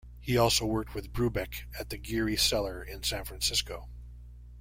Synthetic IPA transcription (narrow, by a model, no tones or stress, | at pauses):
hiɔlˠsoʊwɜ˞k̚t̚wɨðbɹʉbɛkɨt̪̚ðɨɡɪɹisɛlˠə˞ɪ̃nsæ̃nfɹæ̃nsɪskoʊ